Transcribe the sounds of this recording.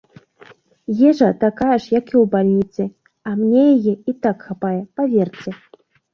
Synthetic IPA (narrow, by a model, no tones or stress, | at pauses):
jɛʐɐt̪akajɛʂjakiwbalʲnʲit̪sɨ | amnʲɛjajɛit̪akxapajɛpavʲɛrt͡sʲɛ